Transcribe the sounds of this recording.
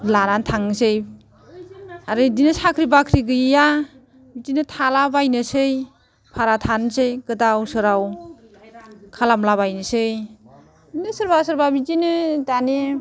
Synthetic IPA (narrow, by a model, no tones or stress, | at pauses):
laɾantʰaŋsej | aɾɯdinɯsakʰɾibakʰɾiɡɯjja | bitinɯtʰalabajnɯsɯj | pʰaɾatʰansɯjkɯdawsɯɾaw | kʰalamlaβajnɯsɯj | dinɯsɯɾbasɯɾbabitinɯdane